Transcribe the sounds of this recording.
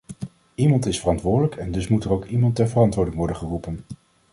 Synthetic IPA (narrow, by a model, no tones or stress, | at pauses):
imɑntɪsfərɑntʋʊːɹdələkɛndɵsmutərowkimɑntɛɹvərɑntʋʊːɹdɪŋʋɔɹdəχərupən